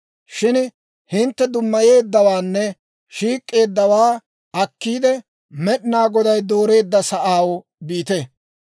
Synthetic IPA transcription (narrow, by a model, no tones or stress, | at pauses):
ʃɪn | hɪnt̪ːɛd̪ʊmːɐje̞ːd̪ːɐwaːnːɛ | ʃiːkʼːe̞ːd̪ːɐwaː | ɐkːiːd̪ɛ | mɛɗnaːɡɔd̪ɐjd̪oːɾe̞ːd̪ːɐsɐʔaːw | biːt̪e